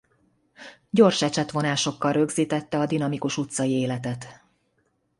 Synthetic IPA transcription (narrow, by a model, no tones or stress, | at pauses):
ɟo̞rʃɛt͡ʃɛt̪ʋo̞naːʃo̞kːɒlrø̞ɡziːt̪ɛt̪ːɛɒd̪inɒmikuʃut̪sɒjieːlɛt̪ɛt̪